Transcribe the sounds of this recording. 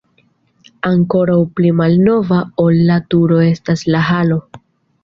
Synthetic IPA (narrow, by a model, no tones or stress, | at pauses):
aŋko̞ɾawplimalno̞vaolːatuɾo̞e̞staslaɦalo̞